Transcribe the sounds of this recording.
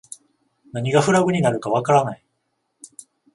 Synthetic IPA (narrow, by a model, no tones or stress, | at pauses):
naɲ̟iɡaɸɯ̟ɾaɡɯ̟ɲ̟inaɾɯ̟kaβ̞akaɾanai